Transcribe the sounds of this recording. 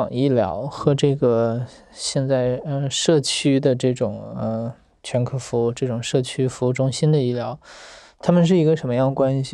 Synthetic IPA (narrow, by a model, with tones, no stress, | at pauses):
ŋi˥˩ljɑ̰˧˥ʊxɤ˧˥ʈ͡ʂɤ˥˩ɡə˩ | ɕjɛ˥˧nt͡sa˥˧ɪə˧ʂɤ˥˩t͡ɕʰy˥d̪ə˨ʈ͡ʂɤ˥˩ʈ͡ʂʊ˨˩˦ŋə˧ | t͡ɕʰɥɛ˧˥nkʰɤ˥˩fu˧˥˧ʈ͡ʂɤ˥˩ʈ͡ʂʊ˨˩ŋʂɤ˥˩t͡ɕʰy˥fu˧˥u˥˩ʈ͡ʂʊ˥ŋɕi˥nd̪ə˨i˥˩ljɑ˧˥ʊ | t̪ʰa˥mə˨nʂ̬ɻ̩˥˩i˧˥ɡə˧ʂə˧˥nmə˧jɑ˥˩ŋkwa˥nɕi˨